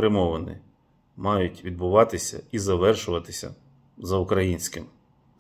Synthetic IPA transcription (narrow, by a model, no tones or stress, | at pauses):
ɾɪmɔʋɐnɪ̰ | mɑjʊtʲʋʲid̪̚bʊʋɑt̪ɪsʲɐ̰izɐʋɛrʃʊʋɐt̪ɪsʲɐ̰ | zɐʊkɾɐjinʲsʲkɪm